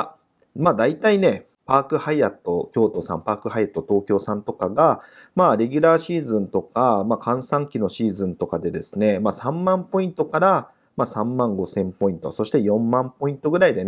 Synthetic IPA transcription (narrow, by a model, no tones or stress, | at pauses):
a | maːd̪ait̪aine̞ | paːkɯ̟haiat̪ːo̞kʲo̞ːt̪o̞sã̰mpaːkɯ̟ɦaiat̪ːo̞t̪o̞ːkʲo̞ːsãnt̪o̞kaɡa | maːɾe̞ɡʲyɾaːɕiːzɨ̃nt̪o̞kamaːkʰãɰ̃sãŋkʲino̞ɕiːzɨ̃nt̪o̞kad̪e̞d̪e̞sɨne̞maːsãmmãmpo̞ĩnt̪o̞kaɾa | maːsãmːãŋɡo̞sẽ̞mpo̞ĩnt̪o̞̰so̞ɕi̥t̪e̞jõ̞mːãmpo̞ĩnt̪o̞ɡɯ̟ɾaid̪e̞n